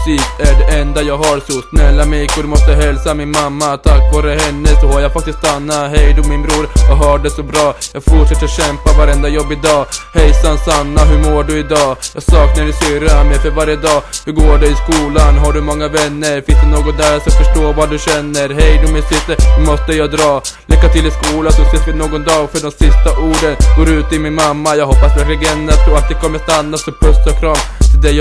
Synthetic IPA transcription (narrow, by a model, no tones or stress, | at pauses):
siːsæɖɛʔɛnd̪ajɑːɡɦaɾsɔsnɛlːamɛjkʰɔɖ̪ɵmɔst̪əɦɛlsamɪnmamːat̪ʰakːvɑːɾəhɛnːəsɔhaɾjafak̚t̪ɪst̪anːaɦɛjd̪ɔmɪnbɾuːɾjɑːɡɦœːɖɛsɔbɾɑːjɑːɡfʊʈʂɛt̪ːɾɕɛmpavaɾɛnd̪ajɔbːɪd̪ɑːhɛjsansanːaɦɵɾmoːɖɵɪd̪ɑːjɑːɡsɑːknaɖɪsʏɾamɛjfœɾvaɾjəd̪ɑːdh̪ɵɡoːɖɛɪskuːlanɦaɖɵmɔŋːavɛnːəɾfɪnsd̪ɵnoːɡɔt̪nd̪æɾsɔfœʂʈoːvaɖɵɕɛnːəɾɦɛjd̪ɵmɪsʏst̪əhɵmɔst̪əjɑːd̪ɾɑː | lʔɪkːat̪ʰɪlːɪskuːlad̪ɔseːsvɪlnoːɡɔnd̪ɑːɡfœɖɔmsɪst̪aʔuːɖənɡ̥oːɾʉ̟ːt̪əɪlmɪnmamːajɑːɡɦɔpːasvæɾklɪɡɛnːɾat̪ʰɾɔːat̪̚d̪ɛkʰɔmːəʂt̪anːasɔpʰœst̪ʰɔkʰɾɑːvɔd̪ɛj